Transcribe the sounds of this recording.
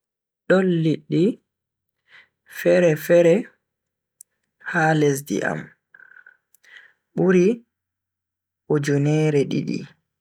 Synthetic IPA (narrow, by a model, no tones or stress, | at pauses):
ɗɔlːiɗːi | fɛɾɛfɛɾɛ | haːlɛs̬dḭʔa̰m | ɓuɾi | ʔɔd͡ʒɔnɛːɾɛɗḭɗḭ